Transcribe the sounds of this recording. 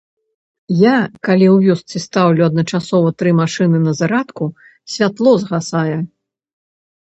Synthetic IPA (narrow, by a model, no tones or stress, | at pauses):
jakalʲiwvʲɔst̪sɨst̪awlʲuɐd̪nɐt͡ʂasɔvɐt̪ɾɨmaʂɨnɨnɐzaɾat̪ku | sʲvʲat̪lˠɔzɣasajɛ